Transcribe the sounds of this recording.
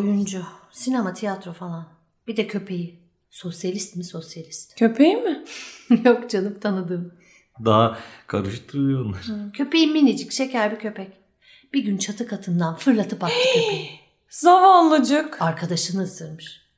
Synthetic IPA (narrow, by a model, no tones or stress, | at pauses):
ojund͡ʒʊsinemat̪ʰijat̪ɾofalˠan | b̥id̪ɛcʰø̞pʰe̞ji | so̞sjalʲist̪miso̞sjalʲist̪cʰøpʰejimɪjokd͡ʒʰanɯpt̪ʰanɯd̪ɯːm | d̪aɦakʰaɾɯʃɯt̪uɾujonlˠaɾ̥cʰø̞pe̞jiminʲid͡ʒicʃecʰæɾbicʰø̞pʰɛc | b̥iɟʲynt͡ʃʰat̪ʰɯkʰat̪ʰɯnd̪anfɯɾlˠat̪ʰɯpak̪ɯøpɛ | z̥avanlˠud͡ʒɯkaɾkʰad̪aʃɯnɯsɯɾmɯʃ